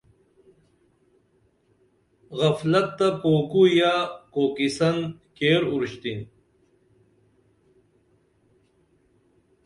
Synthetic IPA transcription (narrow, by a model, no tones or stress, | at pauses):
ɣɐflɐt̪ːapoːkujakoːkisɐnkeːɾuɾɕt̪in